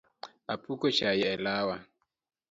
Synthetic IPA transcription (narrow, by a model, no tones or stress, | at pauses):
apʰukɔt͡ʃʰajɛɛlaːwa